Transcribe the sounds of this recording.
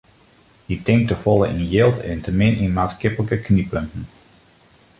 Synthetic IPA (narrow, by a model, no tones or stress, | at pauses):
hitɪŋk̚təfɔlˠəʔinjɪlˠtʰɛ̰ntəmɪninmaːtskɪpələkəknipøntn̩